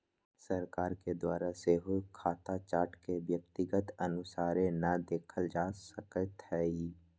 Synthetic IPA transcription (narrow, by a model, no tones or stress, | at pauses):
səɾkaːɾked̪waːɾaseːɦukʰaːt̪at͡ʃaːɾʈkeʋjək̚t̪ɪɡət̪ənʊsaːɾẽnad̪eːkʰəld͡ʒaːsəkət̪ɦɛːi